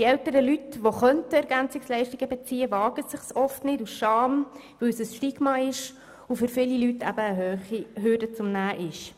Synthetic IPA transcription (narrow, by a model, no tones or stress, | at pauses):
iɛltəɾəlytʋoχœntəɛɾɡænt͡sɪkslɛɪʃtiɡəbɛt͡siːəvɑːɡ̥əsɪχsɔftnɪdusʃɑːm | ʋɵwsəsʃtiɡmɑːlɪʃ | ufʏɾfɪlilytʰæ̰bəːɦøχiɦøːdət͡sʊmnæːʔɪʃ